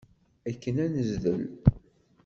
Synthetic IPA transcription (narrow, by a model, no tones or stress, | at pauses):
ækːənænəzðəl